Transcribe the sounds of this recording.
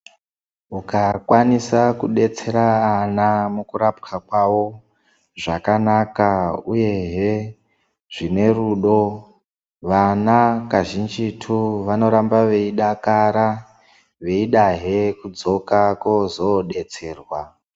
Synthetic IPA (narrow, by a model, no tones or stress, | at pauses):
ukakwanisakuɗe̞t͡se̞ɾaːnamukuɾapkʰakwawo̞ | ʐakanakauje̞ɦe | ʐ̥ine̞ruɗo̞ | ʋanakaʒind͡ʒitʰuʋano̞ɾambaʋe̞iɗakaɾa | ʋeiɗaɦe̞kud͡zo̞kakozo̞ɗe̞t͡se̞ːrwa